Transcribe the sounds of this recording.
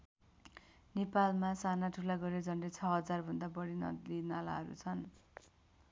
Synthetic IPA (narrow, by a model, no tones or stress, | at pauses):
nepalmasanaʈʰulaɡʌɾed͡zʌnret͡sʰʌɦʌd͡zarbʱʌnd̪abʌɽinʌlinala̰ɦʌɾṵt͡sʰʌn